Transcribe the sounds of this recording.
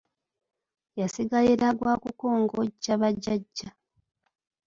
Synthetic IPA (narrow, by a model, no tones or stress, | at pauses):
jasiɡajeɾaɡwaːkuko̞ːŋɡo̞ɟaβaɟːaɟːa